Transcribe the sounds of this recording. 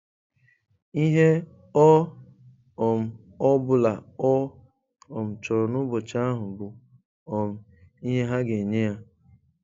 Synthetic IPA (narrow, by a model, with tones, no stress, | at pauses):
i˦ɦe˦ | ɔ˦ | ɔ˨m̩˨ | ɔ˦bʊ˨la˨ɔ˦ | ɔ˨m̩˨t͡ʃɔ˨ɾɔ˨nʊ˦bʊ˨t͡ʃa˦a˦ɦʊ˨bʊ˨ | ɔ˨m̩˨ | i˦ɦe˦ɦa˦ɡe˨ɲe˦ja˦